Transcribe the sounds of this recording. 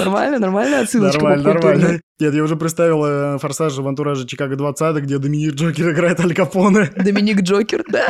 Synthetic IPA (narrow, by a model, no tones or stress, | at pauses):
nɐrma̰lʲnənɐrmalʲnəɐt̪sɨnɐrmalʲnənɐrmalʲnə | nʲet̪jaʊʐɛpɾʲɪt̪st̪avʲɪlˠəfɐrsaʂvɐnt̪ʊɾaʐɨt͡ɕɪkaɡəd̪vɐt̪sat̪ɨɡ̚dʲed̪əmʲɪnʲik̚ʐokʲɪɾɨɪɡɾajɪt̪ɐlʲɡɐponɨd̪əmʲɪnʲikʐokʲɪrd̪a